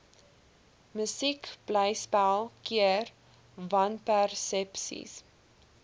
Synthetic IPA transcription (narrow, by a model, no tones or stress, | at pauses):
məsikb̥lɛjspælˠkʰiər | vɐnpærsɛpsḭs